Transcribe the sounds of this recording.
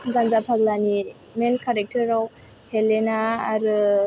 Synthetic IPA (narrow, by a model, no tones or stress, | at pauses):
ɡanzapʰaɡlani | menkʰaɾek̚təɾaw | helːenaːɾɯ